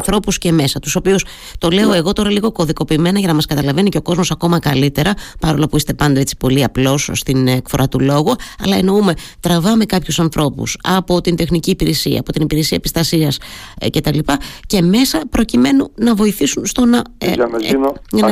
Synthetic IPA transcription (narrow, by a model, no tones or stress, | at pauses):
θɾo̞pusce̞me̞sɐt̪u̥so̞pius | t̪o̞le̞o̞e̞ɣo̞t̪o̞ɾɐliɣo̞ko̞ðiko̞piːme̞nɐʝɐnɐmɐskɐt̪ɐlɐve̞niceo̞ko̞zmo̞sɐko̞mɐkɐlit̪e̞ɾɐpɐɾo̞lopuist̪e̞pɐnd̪eet͡si̥po̞liɐplo̞sst̪inekfo̞ɾʔɐt̪ulo̞ɣuɐ̰lɐe̞no̞ume̞t̪ɾɐvɐme̞kɐpçusɐnθɾʔo̞pṵsɐ̰po̞t̪ind̪e̞xniciːpiɾesiɐ̰ːpo̞t̪inipiɾe̞siɐepist̪ɐsiɐsce̞t̪ɐlipɐce̞me̞sɐpɾo̞cime̞nunɐvo̞iθisunst̪o̞nɐ | ɐn